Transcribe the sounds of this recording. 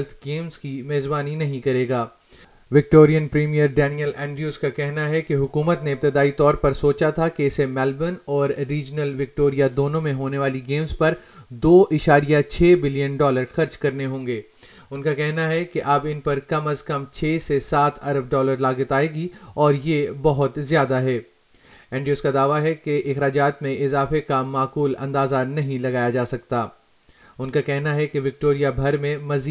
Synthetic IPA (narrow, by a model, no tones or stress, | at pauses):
lt̪ʰɡeːmz̥kimeːzbaːninɐɦĩkɐɾeːɡaː | ʋɪk̚ʈoːɾijənpɾiːmijəɾɖɛːnijəlɛ̃ːɳɖɾjuːzkakɛɦnaɦɛkeɦʊkuːmət̪neɪp̚t̪ɪd̪aːit̪ɔːɾpɐɾsoːt͡ʃat̪ʰakeɪsemɛːlbənɔːɾːiːd͡ʒnəlʋɪk̚ʈoːɾijad̪oːnõmẽɦoːneʋaːliɡeːmzpɐɾ | d̪oːʔɪʃaːɾijat͡ʃʰeːbɪlijənɖɔːləɾxɐɾd͡ʒkɐɾneɦõːŋɡeː | ʊnkakɛɦnaɦɛkeʔɐbɪnpɐɾkɐməzkɐmt͡ʃʰeːsesaːt̪ʰɐɾəb̚ɖɔːləɾlaːɡət̪aːeɡiɔːɾjebɐɦʊt̪zjaːd̪aɦɛː | ɛ̃ːɳɖioːskad̪aːʋaɦɛkeʔɪxɾaːd͡ʒaːt̪mẽɪzaːfekamaːquːlɐ̰̃nd̪aːzanɐɦĩlɐɡaːjad͡ʒaːsɐkt̪aː | ʊnkakɛɦnaɦɛkeʋɪk̚ʈoːɾijabʱɐɾmẽmɐziː